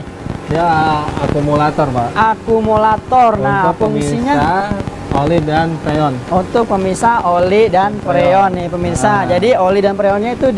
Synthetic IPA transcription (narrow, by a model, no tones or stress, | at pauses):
jaakumulat̪ɔrbaʔakumulat̪ɔrnahpuŋsiɲaa | olidanpɾeɔnunt̪ʊk̚pəmisaolidanpɾeɔnːɪhpəmirsad͡ʒadiolidanpɾeɔnɲait̪u